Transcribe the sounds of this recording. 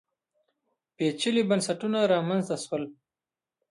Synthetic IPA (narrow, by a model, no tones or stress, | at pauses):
pet͡ʃəlibansaʈunaɾɑmanzt̪aʃwəl